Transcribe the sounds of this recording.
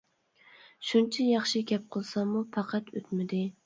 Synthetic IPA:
ʃunt͡ʃʰɛjɑχʃɪkʲɛp̚qʰəlˠsɑmːupʰɑqʰɑt̪ʰøt̪mɪd̪ɪ

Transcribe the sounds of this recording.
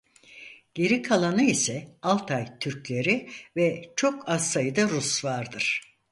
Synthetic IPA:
ɟ̥e̞ɾikʰalˠanɯisɛalˠt̪ʰajt̪ʰyɾclʲe̞ɾivɛt͡ʃʰo̞kʰazsajɯd̪aɾusvaɾd̪ɯɾ̥

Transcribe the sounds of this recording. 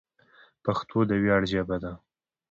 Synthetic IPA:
paxt̪ʰod̪əwjɑɽd͡ʒabad̪a

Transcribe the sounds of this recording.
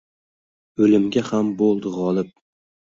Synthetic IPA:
ɵlɪmɡʲahambolˠd̪ɪʁɒlˠɪp̚

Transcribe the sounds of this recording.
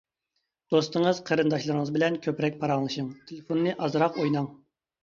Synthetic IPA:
d̪̥ost̪əŋəzqʰəɾɨnd̪ɑʃlˠɨɾɨŋəzbɪlɛnkʲʰøpɾɛk̚ʲpʰɑɾɑŋlˠɨʃɨŋt̪ʰelefonːɨʔɑzɾɑqojnɑŋ

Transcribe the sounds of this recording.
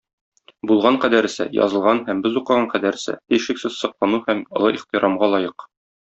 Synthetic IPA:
bulˠʁɑɴqæd̪æɾ̆sɘ̰jɒ̰zɤ̆lˠʁɑnhæmbɘzuqɤ̆ʁɑɴqæd̪æɾsɘ̰t̪ijʃɘ̆ksɘzsɤ̆qlˠɑnuhæmŏlˠɤʔiχt̪iɾɑmʁɑlˠɒjɤq

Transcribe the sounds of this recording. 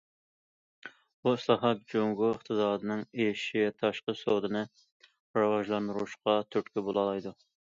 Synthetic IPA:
buɪslˠɑχɑt̪̚d͡ʒoŋɡuəχt̪ʰɨsɑːd̪ɨnɨŋeʃivɛt̪ʰɑʃqəsod̪ɨnɨ | ɾɑwɑʒlˠɑnd̪ɨɾuʃqɑt̪ʰyt̪kʲybolˠɑlˠɑjd̪u

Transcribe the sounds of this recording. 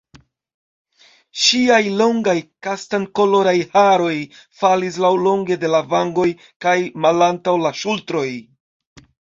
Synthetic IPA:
ʃiajlo̞ŋɡajkastaŋko̞lo̞ɾajhaɾo̞jfalis̬lawlo̞ŋɡe̞de̞lavaŋɡo̞j | kajmalantawlaʃultɾo̞j

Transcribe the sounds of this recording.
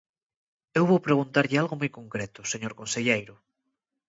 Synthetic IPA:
ewβowpɾeɣ̞unt̪aɾʎɪalɣomojkoŋkɾet̪ʊseɲoɾkonseʎejɾʊ

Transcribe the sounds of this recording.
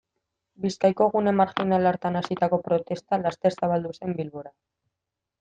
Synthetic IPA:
biskajko̞ɣ̞une̞maɾxinalaɾt̪anasit̪ako̞pɾo̞t̪e̞st̪alast̪e̞ɾsaβ̞ald̪use̞mbilβo̞ɾa

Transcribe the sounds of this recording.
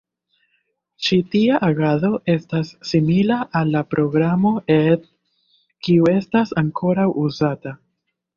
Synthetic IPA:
t͡ʃitiaʔaɡaðo̞ʔe̞stasːimilaʔalːapɾʔo̞ɡɾamo̞et | kiue̞stasaŋkʰo̞ɾawʔuzata

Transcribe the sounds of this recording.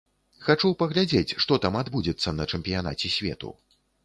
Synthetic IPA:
xat͡ʂupɐɣlʲad͡zʲet͡sʲʂt̪ɔt̪amad̪bud͡zʲɛt̪sːɐnɐt͡ʂɛmpʲijana̰t͡sʲɛsʲvʲɛ̰t̪ṵ

